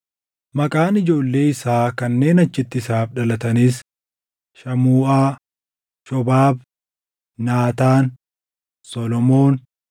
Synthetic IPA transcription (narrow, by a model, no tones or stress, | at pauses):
mɐkʼaːnɪd͡ʒo̞ːlːe̞ːɪsaːkɐnːe̞ːnɐt͡ʃːɪt̪ːɪsaːfᶑɐlɐt̪ɐniːs | ʃɐmuːʔaː | ʃɔbaːbː | aːt̪aːn | sɔlɔmo̞ːn